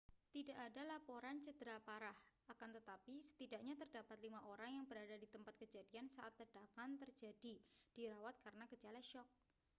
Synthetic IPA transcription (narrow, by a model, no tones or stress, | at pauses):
t̪idaʔːdalapoɾant͡ʃədəɾapaɾahʔakant̪ət̪apisə̥t̪idaʔɲat̪ərdapat̪limaʔoɾaŋjaŋbəɾadadit̪əmpat̪̚kəd͡ʒadiansaʔat̪lədakant̪ərd͡ʒadid̥iɾawat̪̚kaɾənakət͡ʃalaʃɔk̚